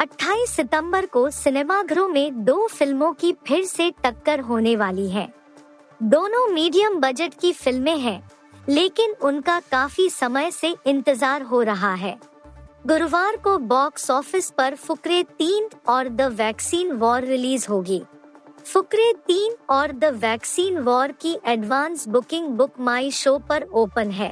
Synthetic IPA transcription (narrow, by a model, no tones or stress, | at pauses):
ɐʈʰːaːisɪt̪ə̃mbəɾkosɪneːmaɡʱɐɾõmẽd̪oːfɪlmõkipʰɪɾseʈɐkːəɾɦoːneʋaːliɦɛ̰̃ː | d̪oːnõmiːɖijəmbɐd͡ʒəʈkifɪlmẽɦɛ̃ː | leːkɪnʊnkakaːfisɐməjseʔɪ̃nt̪ɪzaːɾɦoɾɐɦaɦɛː | ɡʊɾʋaːɾkobɔːksɔːfɪspɐɾfʊkɾet̪iːnʈɔːɾd̪ɐʋɛːksiːnʋɔːɾːɪliːzɦoːɡiːfʊkɾet̪iːnɔːɾd̪ɐʋɛːksiːnʋɔːɾkiʔɛɖʋãːnsbʊkɪ̃ŋɡbʊkmaːiʃoːpɐɾoːpənɦɛ̰ː